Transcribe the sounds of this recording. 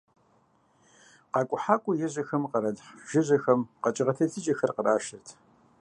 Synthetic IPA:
qɑːkʷʼʊħaːkʷʼʊjɛʑɐxɐmqɐɾɐdħʒɪʑɐxɐmqɐt͡ʃʼɪʁɐtʰɐtʰɨd͡ʒʼɐxɐrqəraːʃɪrtʰ

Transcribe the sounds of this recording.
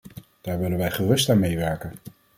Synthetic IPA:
d̥aːɹʋɪlənʋɛjχərɵstaːnmejʋɛɹkən

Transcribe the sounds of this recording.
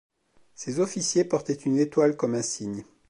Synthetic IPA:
sezɔfisjepɔʁt̪ɛt̪ynet̪walkɔmɛ̃siɲ

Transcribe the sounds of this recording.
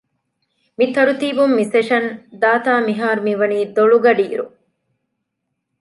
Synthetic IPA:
mit̪ɐɾut̪iːbumːiseʃɐnd̪aːt̪aːmiɦaːɾumiʋɐniːd̪oɭuɡɐɖiːɾṵ

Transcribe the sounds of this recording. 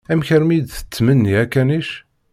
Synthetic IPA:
æmçəɾmid̪θə̥t͡sːmənːiækːæniʃ

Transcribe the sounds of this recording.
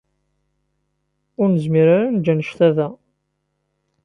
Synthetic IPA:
ʊɾnəzmiɾaɾanəd͡ʒːænəʃθæðæ

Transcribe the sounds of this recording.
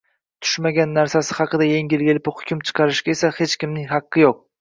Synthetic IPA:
t̪ʰʊ̥ʃmaɡʲanːaɾsasɪhɑqɨd̪ajeŋʲilɡʲɪlɪpʊχhʊ̥kʲʰʊmt͡ʃʰɨ̥qʰɑɾɪʃɡʲaesahe̞t͡ʃkʲɪmnɪŋɦɑqːɨjoq̚

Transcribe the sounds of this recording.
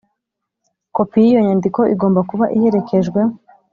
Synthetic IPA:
ko̞pijijo̞ɲaːndiko̞ʔiɡo̞ːmbakuβaʔihe̞ɾe̞ke̞ʒɡwe̞

